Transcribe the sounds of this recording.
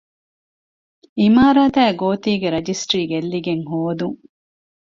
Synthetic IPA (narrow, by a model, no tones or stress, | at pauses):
imaːɾaːt̪æːɡoːt̪iːɡeɾɐd͡ʒisʈɾiːɡelːiɡeŋɦoːd̪uŋ